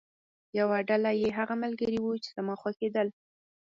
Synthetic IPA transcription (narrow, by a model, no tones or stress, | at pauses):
jawaɖalajeɦaɣamalɡəɾiwut͡ʃe̥zamɑxwaxed̪əl